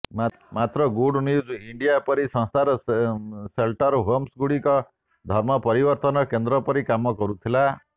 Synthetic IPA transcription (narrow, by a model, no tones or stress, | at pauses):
mat̪ɾɔɡuɖnjud͡ʒiɳɖijapɔɾisɔ̃ŋst̪ʰaɾɔ | selʈɔɾɦomsɡuɽikɔ | d̪ʱɔɾmɔpɔɾibɔɾt̪ɔnɔkend̪ɾɔpɔɾikamɔkɔɾut̪ʰila